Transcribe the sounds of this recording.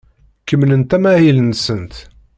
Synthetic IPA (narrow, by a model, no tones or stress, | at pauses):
kəmnənt̪æmæhilənsənt̪